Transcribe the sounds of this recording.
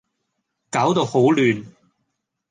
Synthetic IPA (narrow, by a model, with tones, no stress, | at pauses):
kaː˨˥wt̪o˨who˨˥wlyː˨n